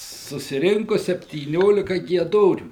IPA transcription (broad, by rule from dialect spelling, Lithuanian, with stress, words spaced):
sʊsʲɪˈrʲɪŋkʊ sʲɛpʲtʲiːˈnʲoːlʲɪkɐ ɡʲiɛˈdoːrʲuː